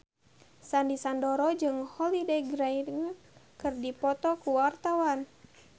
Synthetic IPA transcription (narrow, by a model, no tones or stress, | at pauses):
sandisandɔɾɔd͡ʒɨŋhɔlidɛɡɾaiŋa | kɨrdipɔt̪ɔkuwart̪awan